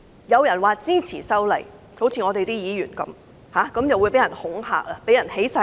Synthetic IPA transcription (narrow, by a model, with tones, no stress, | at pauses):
jɐ˨˧wjɐ˨˩nwaː˨t͡siː˥t͡sʰḭː˨˩sɐ˥wlɐ̰˨˩j | ko˨˥wt͡sʰiː˧˨ŋɔː˨˧t̪e˨jt̪i˥jiː˨˧jyː˨˩nkɐ̰˨˦˥m | haː˨˥kɐ˨˥mjɐ˨wuː˨˧jpe˨˥jɐ˨˩nhʊ˨˥ŋha̰ː˧k̚lɐ˧pe˨˥jɐ˨˩nhe˨˥jsɐ˧